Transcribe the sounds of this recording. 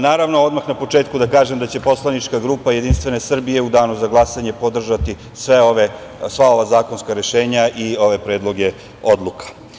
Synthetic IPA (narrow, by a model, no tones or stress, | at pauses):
naːɾaʋno̞o̞d̪maxnapo̞t͡ʂe̞ːt̪̚kud̪akaːʒemd̪at͡ɕe̞po̞slˠanit͡ʂkaɡɾuːpaje̞d̪inst̪ʋe̞ne̞sr̩bije̞ud̪aːnuzaɡlˠasaɲe̞po̞d̪r̩ʒat̪i | sʋeoʋe | sʋao̞ʋazaːko̞nskaɾe̞ʃe̞ːɲaʔio̞ʋe̞pɾe̞ːd̪lˠo̞ɡe̞ | o̞d̪lˠukḁ